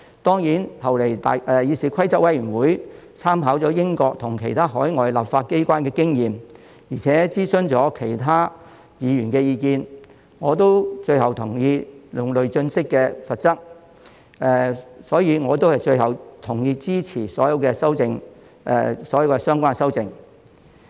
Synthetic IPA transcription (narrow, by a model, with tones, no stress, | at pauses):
t̪ɔː˥ŋjiː˨˥nhɐ˨wle˨˩jt̪a̰ː˨ʔɛː˧jiː˨˧siː˨˩kʰɐ˥jt͡sɐ˥wɐ˨˥jyː˨˩nwuː˨˥j | t͡sʰaː˥mɦaː˨˥wt͡sɔː˨˥jɪ˥ŋkɔː˧k̚t̪ʰʊ˨˩ŋkʰe˨˩jt̪ʰaː˥ɦɔː˨˥jŋɔː˨jla̰˨pfaː˧t̚ke˥jkʷaː˥nkɛː˧kɪ˥ŋjiː˨m | jiː˨˩t͡sʰɛː˨˥t͡siː˥sɵ˥nt͡sɔː˨˥kʰe˨˩jt̪ʰaː˥ | jiː˨˧jyː˨˩nkɛː˧jiː˨˧kiː˧n | ŋɔː˨˧t̪o˥wt͡ʃɵ˧ɥɦɐ˨wt̪ʰʊ˨˩ŋjiː˧lʊ˨˩ŋlɵ˨ɥt͡ʃɵ˧nsɪ˥kːɛː˧sɐ˨t̚t͡sɐ˥k̚ | ɛː˨sɔː˨˥jiː˨˧ŋɔː˨˧t̪̬o˥whɐ˨˩jt͡ʃɵ˧ɥhɐ˨˩wt̪ʰʊ˨˩ŋjiː˧t͡siː˥t͡sʰiː˨˩sɔː˨˥jɐ˧wkɛː˧sɐ˥wt͡sɪ˧ŋ | ɛ̰˨˧sɔː˨˥jɐ˨˧wkɛ˧sœː˥ŋkʷaː˥nsɐ˥wt͡sɪ˧ŋ